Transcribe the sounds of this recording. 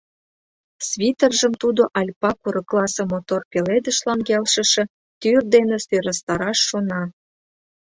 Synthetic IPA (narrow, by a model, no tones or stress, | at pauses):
sβʲit̪ərʒə̆mt̪ud̪oʔɑlʲpɑkuɾɤklˠɑsɤ̆mot̪orpeled̪ə̆ʃlɑnɡelʃə̆ʃĕ | t̪yrd̪eneseɾəst̪ɑɾɑʃːonɑ